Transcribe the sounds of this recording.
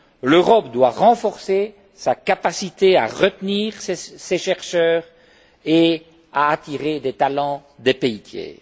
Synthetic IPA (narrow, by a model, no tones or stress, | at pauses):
løʁɔp̚d̪waʁɑ̃fɔʁse | sakapasit̪ea̰ʁət̪niːʁsseʃɛʁʃœːʁ | e | aːt̪iʁed̪ɛt̪alɑ̃d̪epeit̪ʰjɛ̰ː